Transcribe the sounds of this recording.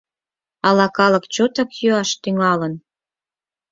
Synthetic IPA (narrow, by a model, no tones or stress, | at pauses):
ɑlɑkɑlɤ̆kt͡ɕot̪ɑkjyɑʃt̪yŋɑlən